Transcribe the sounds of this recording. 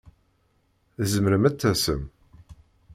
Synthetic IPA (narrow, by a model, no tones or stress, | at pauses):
zəməɾəmæt͡s̪ːæsə̰m